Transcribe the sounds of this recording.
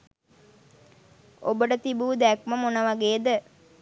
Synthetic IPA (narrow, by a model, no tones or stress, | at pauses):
obəɖət̪ibuːd̪ækməmonəʋaɡeːd̪ə